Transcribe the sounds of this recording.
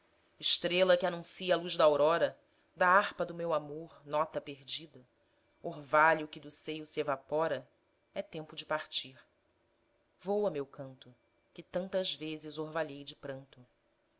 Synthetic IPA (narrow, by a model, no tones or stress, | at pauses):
ɪʃt̪ɾelɐkɪanũsiɐaluʒd̪ɐawɾɔɾɐ | d̪ɐahpɐd̪ʊmewamoɾnɔt̪ɐpeɾd͡ʒid̪ɐ | oɾvaʎʊkɪd̪ʊsejʊsievapɔɾɐ | ɛt̪ẽmpʊd͡ʒɪpaχt͡ʃiɾ | vowɐmewkɐ̃nt̪ʊ | kɪt̪ɐ̃nt̪ɐzvezɪzoɾvaʎejd͡ʒɪpɾɐ̃nt̪ʊ